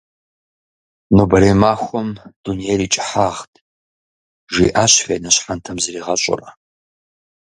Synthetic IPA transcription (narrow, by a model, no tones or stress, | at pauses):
nobɐɾeːmaːxʷɔmd̥unijeːriːt͡ʃʼɪħaːʁtʰʼ | ʒḭːʔaːɕfeːnɐɕħantʰɐmzɨriːʁɐɕʷʼʊ̰rɐ